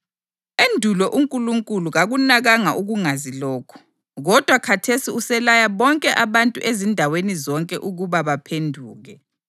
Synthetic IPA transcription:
endʱulɔʔuŋkʼuluŋkʼuluɣaɣunaɣaŋaʔuɣuŋazilɔːkʰɔ̥ | ɣɔd̥ʱwakʰatʰesiusɛlajaβɔŋkʼɛʔaβantʼṵʔezindʱawenizɔŋkʼɛʔuɣuβaβapʰendʱuːɣɛ

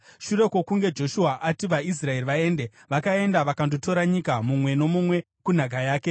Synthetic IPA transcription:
ʃuɾe̞ko̞kuŋɡe̞d͡ʒo̞ʃuaʔatiʋais̬rae̞riʋae̞nde | ʋakae̞ndaʋakandoto̞ɾaɲikamumwe̞no̞mumwe̞ | kun̤ak̬ajaːke̞

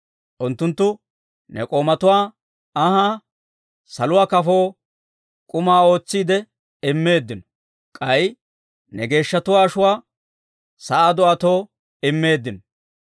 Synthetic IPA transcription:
ʔʊnt̪ːʊnt̪ːʊ | nɛ̰kʼo̞ːmɐt̪ʊwaː | ɐhaː | sɐlʊwaːkɐfo̞ː | kʼʊmaːo̞ːt͡sːiːd̪ɛ | ɪmːe̞ːd̪ːɪnɔ̥ | kʼɐj | nɛɡe̞ːʃːɐt̪ʊwaːʃʊwaː | sɐʔaːd̪ɔʔɐt̪o̞ː | ɪmːe̞ːd̪ːɪnɔ̥

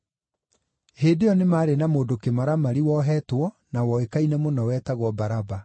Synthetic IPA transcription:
heːdeɔnemaːɾenamoːdokemaɾamaɾiwɔɦɛtwɔ | nawɔekainɛmonɔwɛtaɣwɔbaɾaba

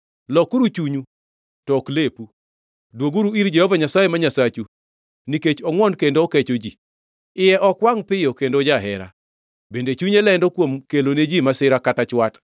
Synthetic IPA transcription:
lɔkuɾut͡ʃuɲu | tɔklepu | dwoɡuɾuiɾd͡ʒɛhɔvaɲasajemaɲasat͡ʃu | niket͡ʃɔŋwɔnkendoːket͡ʃod͡ʒi | ɪjɛʔɔkwaŋpɪjɔkendod͡ʒaɦɛɾa̰ | bendet͡ʃuɲɛlɛndɔkwomkeloned͡ʒimasɪɾakatat͡ʃwat

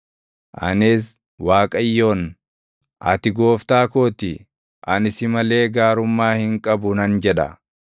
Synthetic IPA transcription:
ʔɐ̰nɪs | waːkʼɐjːo̞ːn | ʔɐ̰t̪ɪɡo̞ːft̪aːkoːt̪ɪ | ʔɐnɪsɪmɐle̞ːɡaːɾʊmːaːhɪŋkʼɐbʊnɐnd͡ʒɛᶑɐ̰

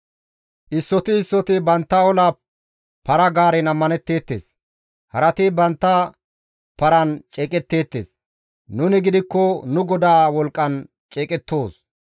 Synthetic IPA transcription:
ʔɪsːɔt̪ɪːsːɔt̪ɪbɐnt̪ːɐɔlaː | pɐɾɐɡaːɾɛnɐmːɐnɛt̪ːe̞ːt̪ːeːs | hɐɾɐt̪ɪbɐnt̪ːɐ | pɐɾɐnt͡ʃʼeːkʼɛt̪ːe̞ːt̪ːeːs | nʊnɪɡɪd̪ɪkːɔnʊɡɔd̪aːwɔlkʼːɐn | t͡ʃʼɛːkʼɛt̪ːo̞ːs

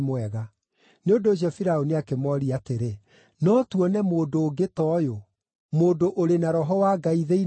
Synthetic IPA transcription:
mwɛɣa | neondoːɕ̬iɔfiɾaoniakemɔɾiateɾe | nɔtwɔnɛmoːdoːɡetɔːjo | moːndoʔoɾenaɾɔɦɔwaɡaiðei

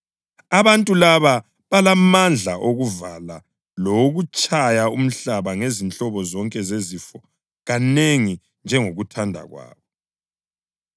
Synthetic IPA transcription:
aβantʼulaβa | βalamand͡ɮʱaʔoɣuvala | lɔwoɣut͡ʃʼajaum̩ɬaβaŋezint͡ɬʼɔβɔzɔŋkʼɛzezifɔ | ɣaneŋi | nd͡ʒʱɛŋoɣutʰandʱa̰ɣwa̰ːβɔ

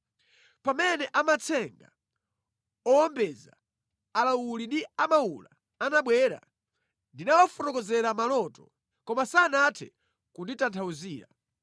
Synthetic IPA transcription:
pamɛnɛʔamat͡sʰɛŋɡa | ɔɔmbɛza̰ː | lawulindiamaula | anaɓwɛɾa̰ | ndinawɔfɔɾɔkɔzɛɾamalɔtɔ | kɔmasanatʰɛ̰ | kunditantʰauziːɾa

